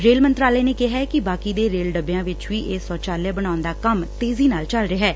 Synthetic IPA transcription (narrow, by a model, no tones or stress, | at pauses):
ɾeːlmənt̪ɾaːlɛːneːkɪɦɛːkɪbaːkiːd̪eːɾeːlɖəbejãːʋɪt͡ʃʋiːʔeːsɔːt͡ʃaːljãːbəɽ̃aːʊnd̪aːkəmt̪eːziːnaːlt͡ʃəlɾɪɦɛː